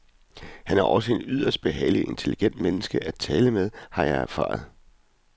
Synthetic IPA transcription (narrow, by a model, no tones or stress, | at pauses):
hænæɐʔɒ̽səe̝nyð̰ˠɐsd̥̚b̥e̝ɦɛ̰ɪlie̝nt͡sʰe̝liɡ̥en̰d̥menəsɡ̥əʔæt͡sʰɛːləmeðˠhɑ̈jɑ̈ɪæɐfɑ̰̈ːð̞̩ˠ